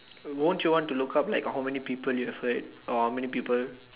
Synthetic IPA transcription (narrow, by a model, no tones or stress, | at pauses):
wõntjuwɔ̃ntːulukap̚laɪkhaʊmɛnipiːpəljuɛvhədʔɔhawmɛnipiːpəl